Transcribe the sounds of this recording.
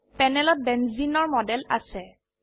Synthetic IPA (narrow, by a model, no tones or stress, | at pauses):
pɛnɛlɔt̚bɛnzinɔɹmɔdɛla̰sɛ